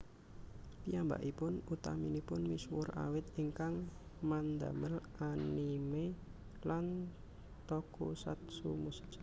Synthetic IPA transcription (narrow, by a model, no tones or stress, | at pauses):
piamba̰ʔipʊnut̪aminipʊnmiswʊra̰wɪt̪iŋkaŋmand̪aməlʔanime | lan | t̪ɔkusa̰t̪̚sumusɪ̥k